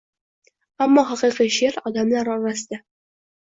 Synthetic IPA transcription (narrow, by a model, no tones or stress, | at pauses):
amːɒɦɑqɨjqijʃeɾɒd̪amlaɾɒɾasɪd̪̥a